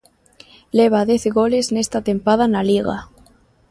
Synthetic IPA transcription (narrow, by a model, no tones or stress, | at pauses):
leβ̞aðeθeɣo̞le̞snest̪at̪e̞mpað̞analiɣa̰